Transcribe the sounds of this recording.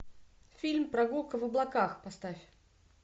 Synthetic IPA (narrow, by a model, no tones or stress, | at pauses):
fʲilʲmpɾɐɡulˠkəvəblˠɐkaxpɐst̪afʲ